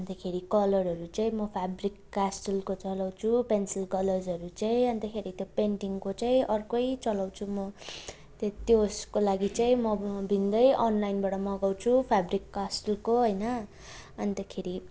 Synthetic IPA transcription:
ʌnt̪ʌkʰeɾikʌlʌrɦʌɾut͡saĩmʌpʰabrikːasʈulkot͡sʌlaw̃t͡sʰupensilkʌlʌrd͡zʌɾut͡saĩʌnt̪akʰeɾit̪jopeɳʈiŋkot͡saĩʔʌrkʌjt͡sʌlaw̃t͡sʰumʌ | t̪et̪joskolaɡit͡saĩmʌbʱind̪ʌjʔʌnlajnbaʈʌmʌɡaw̃t͡sʰupʰabrikːasʈelkoɦʌjnʌ | ʌnt̪ʌkʰeɾi

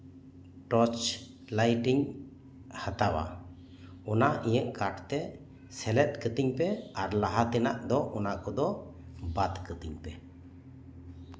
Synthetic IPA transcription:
ʈɔt͡ʃ | lajʈiɲ | hat̪awa̰ | ɔnaʔĩjəʔkaʈt̪ɛ | sɛlɛt̪̚kət̪iɲpɛaɾlaɦat̪ɛnaʔd̪ɔʔɔnakɔd̪ɔ | bat̪kət̪iɲpɛ

